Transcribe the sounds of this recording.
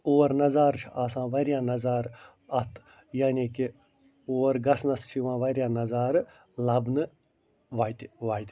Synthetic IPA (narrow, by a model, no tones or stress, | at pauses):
oːɾnɐzaːɾt͡ʃʰʔaːsãːʋɐɾjãːnɐzaːɾ | ɐt̪ʰ | jaːniːki | oːɾɡɐsnɐst͡ʃʰiʋãːʋɐɾʲjãːnɐzaːɾ | lɐbnɨ | ʋaːt̪ʲʋaːjt̪ʲ